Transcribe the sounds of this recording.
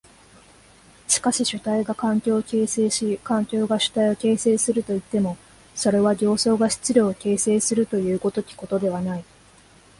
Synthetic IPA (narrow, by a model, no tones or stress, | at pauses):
ɕi̥kaɕiɕɨt̪aiɡakãŋkʲo̞ːkʲeːseːɕikãŋkʲo̞ːɡaɕɨ̥t̪aio̞ke̞ːse̞ːsɨɾɯ̟t̪o̞it̪ːe̞mo̞ | so̞ɾe̞βaɡʲo̞ːso̞ːɡaɕi̥t͡sɨɾʲo̞ːke̞ːse̞ːsɨɾɯ̟t̪o̞jɯ̟ːko̞t̪o̞kʲi̥ko̞t̪o̞d̪e̞β̞anai